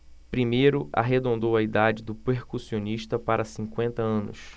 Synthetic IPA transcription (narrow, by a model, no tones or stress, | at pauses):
pɾimejɾʊa̰ɦed̪õnd̪owɐid̪ad͡ʒɪd̪ʊpeɾkusioniʃt̪ɐpaɾɐsĩkwẽnt̪ɐɐ̃nʊ̰s